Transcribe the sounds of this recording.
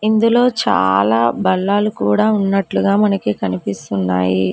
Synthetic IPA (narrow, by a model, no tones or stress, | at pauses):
ind̪ulo̞ːt͡ʃa̰ːlaːbɐɭːaːlukuːɽaːunːɐʈluɡaːmɐnɐkikɐnipist̪unːa̰ːjḭ